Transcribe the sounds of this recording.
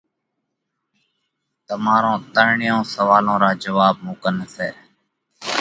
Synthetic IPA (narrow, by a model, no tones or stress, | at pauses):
t̪əmaːɾõːt̪əɳɳɪjõːsəʋaːlõːɾaːd͡ʒəʋaːb̚mũːkənseː